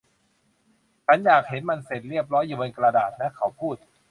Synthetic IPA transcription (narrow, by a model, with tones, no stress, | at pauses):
t͡ɕʰa˦˥njaː˨˩k̚he˩˦nma˧nse˨˩t̪̚ɾi˥˩əp̚ɾɔː˦˥jːu˨˧wo˧nkɾa˧daː˨˩t̪̚naː˦˥kʰa˦wpʰuː˥˩t̪̚